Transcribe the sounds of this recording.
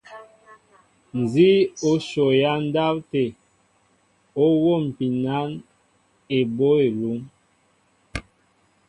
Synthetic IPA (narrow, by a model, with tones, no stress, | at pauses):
n˨zi˦o˦ʃo˨ja˦n˦da˦w̚te˨ | o˦wo˦˨m̩˨pi˨na˦n | e˨bo˦e˨lu˨˦m